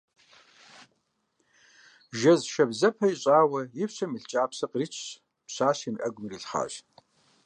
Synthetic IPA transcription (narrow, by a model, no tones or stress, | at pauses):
ʒɐzʃɐbzɐpʰɐiɕʼaːwɐjɪpɕʷɐmɨɬt͡ʃʼaːpɕɐqrit͡ʃʰː | pɕʷaːɕimʔɐ̰ɡʷʊmriɬχa̰ːɕ